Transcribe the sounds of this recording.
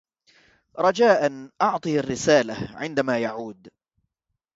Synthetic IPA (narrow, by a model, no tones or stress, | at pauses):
ɾˤɑd͡ʒaːʔanʔɑʕt̪ˤiːarːɪsaːlaʕɪnd̪amaːjaʕuːd̪